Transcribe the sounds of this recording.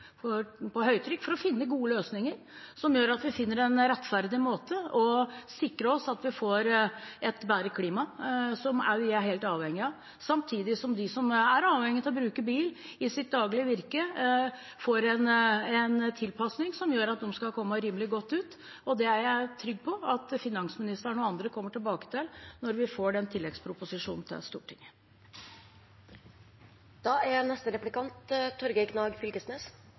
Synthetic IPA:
fɔpʰɔɦœʏt̪ʰɾʏkːfɔɾɔfɪnːəɡuːəløːsnɪŋəɾ | sɔmjøːɾɑt̪ʋɪfɪnːəɾɛnɾɛt̪ːfæɾd̪ɪmoːt̪əɔsɪkɾəɔsɑt̪ʋɪfoːɾɛt̪bæːɾəkʰliːmɑsɔmæ̰ɦeːlt̪ɑːʋhɛŋːɪɑ | sɑmt̪ʰiːd̪ɪsɔmd̪ɪsɔmæɾɑːʋhɛŋːɪt̪ʰɪlɔbɾʉːkəbiːl | ɪsɪt̪̚d̪ɑːɡlɪəʋɪɾkə | fɔɾɛnɛnt̪ʰɪlpʰɑsnɪŋsɔmjøːɾɑt̪̚d̪ɛmskɑlkʰɔmːəʉɾiːməlɪɡɔt̪ːʉːt̪ | ɔd̪ɛæɾjæɪt̪ʰɾʏɡ̚ːpʰɔɑt̪fɪnɑŋsmɪnɪst̪əɳːɑnd̪ɾəkʰɔmːəʈɪlbɑːkə̥t̪ʰɪlnɔɾʋɪfoːɖɛnt̪ʰɪlːɛɡspʰɾʊpʊsɪʂuːnn̩t̪ʰɪ̰lst̪ṵːʈʰɪŋ | d̪̥ɑːæɾnɛst̪əɾɛplɪkɑnt̪t̪ʰːɔɾɡəkʰnɑːɡfʏlkəsneːs

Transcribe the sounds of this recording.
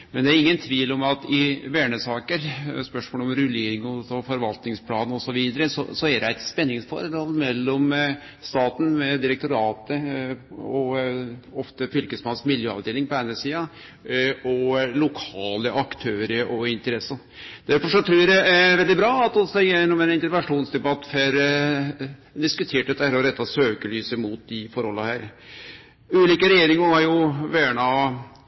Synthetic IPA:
mɛnd̪ɛæɾɪŋːənt̪ʰʋiːlɔmɑt̪ɪʋæːɳəsɑːkəɾspœʂmoːlɔmɾʉleːɾɪŋɔsɔfɔɾʋɑlt̪nɪŋspʰlɑːnɔsɔʋiːd̪əɾəsɔ̰sɔæd̪æɪt̪spɛnːɪŋsfɔ̰ɾd̪ɑlmɛlːɔm | st̪ɑːt̪n̩mɛd̪ɪɾɛk̚t̪ʊɾɑːt̪ə | ɔ | ɔft̪əfʏlkəsmɑnsmɪljøːɑ̰ʋd̪eːlɪŋpɔæɪnəsiːɑ | ɔlʊkʰɑːləʔɑkt̪ʰøːɾəɾʔɔɪnt̪əɾɛsːɑ | d̪̥æɾfɔʂɔt̪ʰɾuːɾjæd̪ɛæʋɛld̪ɪbɾɑːɑt̪ɔsɛjɛnːɔmɛnɪnt̪əɾʋɛnʂuːnsd̪ɛbɑt̪ːfɛɾ | d̪ɪskʉt̪ʰeːʈɛt̪ːæɾɔɾɛt̪ːɑsøːkəlyːsəmʊt̪̚d̪ɪfɔɾhɔlːəhæːɾ | ʉːliːkəɾɛjeːɾɪŋəhɑɾjʊʋæːɳɑ

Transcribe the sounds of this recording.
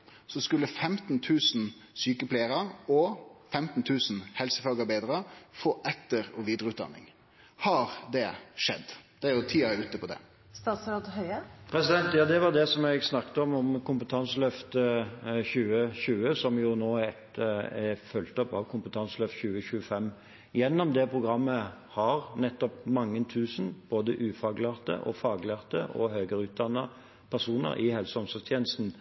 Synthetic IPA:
sɔskʉlːəfɛmt̪n̩t̪ʰʉːsn̩ | syːkəpʰleɪəɾɑɔfɛmt̪n̩t̪ʰʉːsn̩hɛlsəfɑːɡəɾbeɪd̪ɾəfoːʔɛt̪ːəɾɔʋiːd̪ɾəʉːt̪̚d̪ɑ̰nːɪ̰ŋ | hɑɾd̪ɛʂɛ̰d̪ːd̪̥ɛæɾjʊt̪ʰiːɑʉːt̪əpʰɔd̪ɛ̰ | st̪ɑːt̪sɑɾd̪hœʏəpʰɾɛsɪd̪ɛnt̪jɑːd̪ɛʋɑd̪ɛsɔmɛɡsnɑkːt̪əɔmɔmkʊmpət̪ʰɑnsəlœft̪əçʉːəɕʉːəsɔmjʊnoːɛt̪ɛfœlt̪ɔpɑʋkʰʊmpət̪ʰɑnsəlœft̪ɕʉːəçʉːəfɛmː | jɛnːɔmd̪ɛpʰʁʊɡʁɑmːəhɑɾnɛt̪ːɔp̚mɑŋːənt̪ʰʉːsnb̥oːd̪əʔʉːfɑːɡlæːʁt̪ə̰ʔɔ̰fɑːɡlæːʁt̪əʔɔ̰høːɡəɾʉːt̪̚d̪ɑnːɑ | pʰæʁsuːnə̰ɾʔɪhɛlsəɔmsɔst̪ʰjeːnəst̪n̩

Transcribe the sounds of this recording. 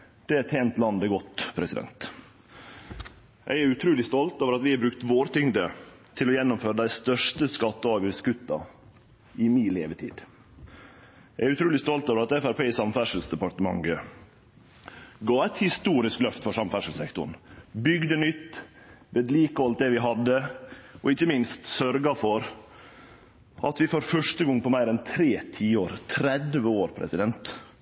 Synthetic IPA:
d̪̥ɛæt̪ʰeːnt̪lɑnd̪əɡɔt̪ːpʰɾɛsɪd̪ɛ̰nt̪ | jʔæ̰ɪæɾʉt̪ʰɾʉːlɪst̪ɔlt̪oːʋəɾɑt̪ʋɪɑbɾʉkt̪ʋoːɾt̪ʰʏŋd̪ət̪ʰɪlɔjɛnːʊmføːɾəd̪æɪst̪œʂʈəskɑt̪ːəɑːʋəskʉt̪ːɑ̰ | ɪmiːlḛːʋət̪ʰḭːd̪ | ɛɪæɾʉt̪ʰɾʉːlɪst̪ɔlt̪oːʋəɾɑt̪ɛfæɾpeːsɑmfæʂlsd̪ɛpɑʈəmɑ̰ŋɡə | ɡɑːæt̪hɪst̪uːɾɪsklœft̪fɔʂɑmfæʂəl̩sɛkt̪ʊɳ̩bʏɡd̪ənʏt̪ː | ʋeːd̪liːkəɑlt̪̚d̪ɛʋɪɦɑd̪ːəɔɪçːəmɪnst̪sœɾɡɑfɔɾ | ʔɑt̪ʋɪfɔɾfœʂʈəɡɔŋːpʰɔmæɪɾɛnt̪ʰɾeːt̪ʰiːoːɾt̪ʰɾɛd̪ʋəoːɾpʰɾɛ̰sɪd̪ɛnt̪

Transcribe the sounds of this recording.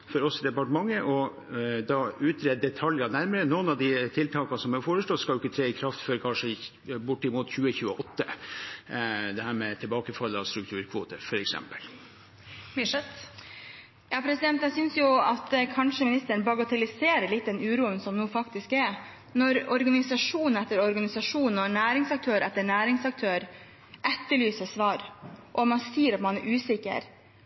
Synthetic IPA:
fɔɾɔsːɔd̪ɛpɑʈəmɑŋːəʔɔ | d̪ɑʉːt̪ʰɾeːd̪̚d̪ɛt̪ʰɑljɑnæɾməɾənuːənɑʋd̪ɪt̪ʰɪlt̪ʰɑːkɑsɔmhɛfoːɾəʂloːskɑlʊɪkːət̪ʰɾeːɪkʰɾɑft̪føːɾəkʰɑnʂə | bʊʈːɪmuːt̪çʉːəçʉːəʔɔt̪ːə | d̪ɛhæːɾmɛt̪ʰɪlbɑːkəfɑlːəɑst̪ɾʉk̚t̪ʰʉːɾkʰʋo̰ːt̪əɾfɔɾɛksɛ̰mpəl | mɛt̪ | jɑːpʰɾɛsɪd̪ɛnt̪ɛsʏnsjʊɑt̪ɛkʰɑnʂəmɪnɪst̪əɳbɑɡɑt̪ʰɛlɪseːɾəɭɪt̪̚ːd̪ɛnʉːɾuːənsɔmnuːfɑkt̪ɪskɛɾ | nɔɾɔɾɡɑnɪsɑʂuːnnɛt̪ːəɾɔɾɡɑnɪsɑʂuːn̩ɔnæːɾɪŋsɑk̚t̪ʰøːɾɛt̪ːəɳæːɾɪŋsɑk̚t̪ʰøːɾ | ʔɛt̪ːəɭyːsəsʋɑːɾʔɔmɑnsiːɾɑt̪mɑnæɾʔʉːsɪkə̰ɾ

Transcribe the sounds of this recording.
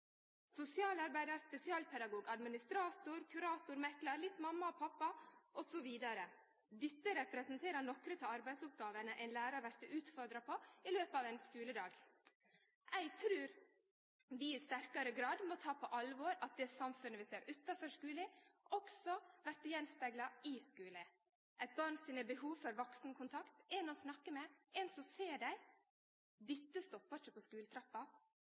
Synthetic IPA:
sʊsɪɑːlɑɾbæɪd̪ɑɾspɛsɪɑːlpʰɛd̪ɑɡuːɡɑd̪mɪnɪst̪ɾɑːt̪ʊɾkʰʉɾɑːt̪ʊɾmɛklɑɾlɪt̪ːmɑmːɑɔpʰɑpːɑʔɔsɔʋiːd̪ɑɾə | d̪ʏt̪ːəɾɛpɾɛsənt̪ʰeːɾənɔkɾət̪ʰɪɑɾbæɪd̪sʊp̚ɡɑːʋənəʔæɪnlæːɾɑʋæɾt̪əʉːt̪fɔɾd̪ɾɑpʰɔɪløːpəɑːʋɛnskʉːləd̪ɑːɡ | ʔæɪɡt̪ʰɾʉːɾ | ʋɪɪst̪æɾkɑɾəɡɾɑːd̪mɔt̪ʰɑːpʰɔʔɑlʋoːɾɑt̪̚d̪ɛsɑmfʉnəʋɪseːɾʔʉt̪ːɑfœʂkʉːlɪɔksɔʋæɾt̪əjɛnspæɡlɑɪskʉːlə | ʔæɪt̪̚bɑɾɳsiːnəbəɦuːʋfɔɾʋɔksnkʰʊnt̪ʰɑkt̪ɛnɔsnɑkːəmɛɛnsɔmseːɖæɪ | d̪ɪt̪ːəst̪ɔpːɑt͡ʃəpʰɔskʉːlət̪ʰɾɑpːɑ

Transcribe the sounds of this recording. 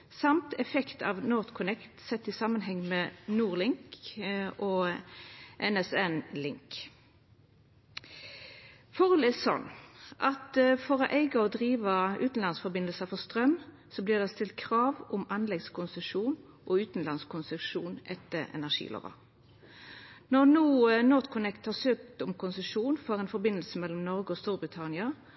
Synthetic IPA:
sɑmt̪ʰɛfɛkt̪ʰɑ̰ʋnɔːʁt̪kʰʊnɛkt̪sɛt̪ːɪsɑːmənɦɛŋːmɛnuːʁlɪŋk | ɔː | ʔɛnɛsɛnlɪŋk | fɔʁɔlɛsɔ̰nʔɑt̪fɔʁɔʔæɪɡəɔd̪ʁiːʋəʉ̰ːt̪n̩lɑnsfɔʁbɪnəlsəfɔʁst̪ʁœm | sɔbliːʁd̪ɛst̪ɪlt̪̚kʰʁɑːʋʊmɑnlɛɡskʰʊnsɛʂuːn | ʔɔʉːt̪n̩lɑnskʰʊnsʉkʂuːnʔɛt̪ːəʁɛ̰næʁʂḭːlo̰ːʋə̰ | nɔʁnuːnɔʁt̪kʰʊnɛkt̪hɑsøːk̚t̪ʊmkʰʊnsɛʂuːnfɔʁɛːnfɔɾbɪnːəlsəmɛlɔmnɔʁɡəɔst̪uːɾbʁɪt̪ʰɑnɪɑ

